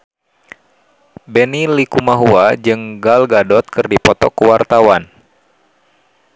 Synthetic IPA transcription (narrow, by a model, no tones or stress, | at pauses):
bɛnilikumaɦuad͡ʒɨŋɡalɡadɔt̪̚kɨrdipɔt̪ɔkuwart̪awan